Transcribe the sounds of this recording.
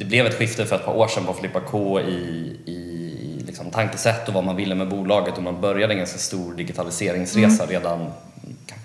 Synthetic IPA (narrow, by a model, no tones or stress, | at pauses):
d̪̥ɛblɛvɛt̪ɧɪft̪əfœɾɛt̪̚pʰɑ̰ʔoːʂɛnpɔfɪlɪpːakʰoːɪ | ɪ | lɪ̰ksɔmt̪ʰaŋkəsɛt̪ːɔvamanvɪlːəmɛbuːlɑːɡət̪ːɔmanbœɾjad̪ɛnɡanskast̪uːɾɖɪɡɪt̪ʰalɪseːɾɪŋsɾeːsaɾeːd̪an | kʰa